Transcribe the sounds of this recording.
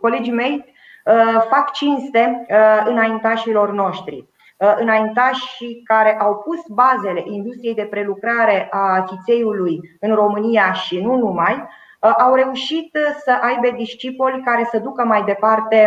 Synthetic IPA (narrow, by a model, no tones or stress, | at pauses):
ko̞le̞d͡ʒime̞j | əfakt͡ʃinst̪e̞ɨnaint̪aʃilo̞rno̞ʃt̪ɾḭ | ɨnaint̪aʃikaɾe̞ʔawpusbaze̞le̞ʔind̪ust̪ɾijejd̪e̞pɾe̞lukɾaɾe̞ʔafit̪se̞julujɨnro̞mɨnijaʃinunumaj | ʔawɾe̞uʃit̪səʔajbe̞d̪iʃt͡ʃipolʲkaɾe̞səd̪ukəmajd̪e̞part̪e̞